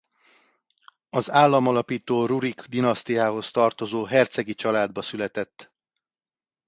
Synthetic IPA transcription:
ɒzaːlːɒmɒlɒpiːt̪oːruɾiɡd̪inɒst̪ijaːɦo̞st̪ɒrt̪o̞zoːɦɛrt̪sɛɡit͡ʃɒlaːd̪̚bɒsylɛt̪ɛt̪ː

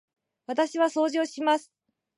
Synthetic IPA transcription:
βat̪aɕiβaso̞ːʑo̞ːɕimasɨ̥

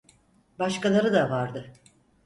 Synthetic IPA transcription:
baʃkalˠaɾɯd̪avaɾd̪ɯ

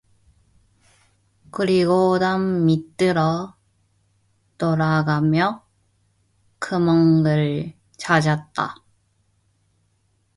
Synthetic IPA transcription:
kɯɾiɡodamːit͈ɯɾʌ | t͈oɾaɡamjʌ | kɯmʌŋɡɯɭ | t͡ɕad͡ʑat̚t͈a̰

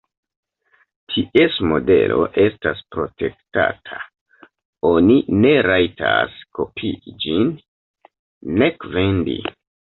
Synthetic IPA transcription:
tʰiʔe̞smo̞de̞̰lʔo̞ʔe̞staspɾo̞tʰe̞kta̰tʰḁ | o̞nine̞ɾajtʰasko̞pʰid͡ʒin | e̞kve̞ndḭ

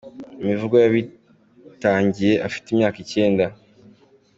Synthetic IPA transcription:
emivuɡojaβi | taːɲɟije̞ʔafi̥timɲaːkice̞ːnda

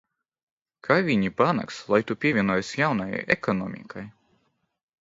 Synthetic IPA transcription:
kʰavʲiɲipana̰kslˠajt̪upʲiɛvʲiɛnuɔjsjawnaja̰jɛ̰kɔnɔmʲḭkʰaj

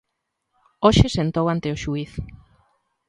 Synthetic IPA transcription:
oʃesent̪owant̪eoʃuiθ

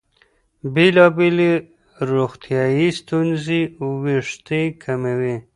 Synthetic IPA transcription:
belɑbeli | ɾoxt̪ʰjɑjist̪unziwiʂt̪ikʰamawi

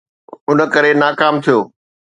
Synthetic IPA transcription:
ʊnə̆kəɾenaːkaːmt̪ʰijoː

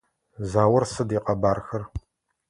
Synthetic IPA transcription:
zaːwɐrsɨdiːqɐbaːrxɐr

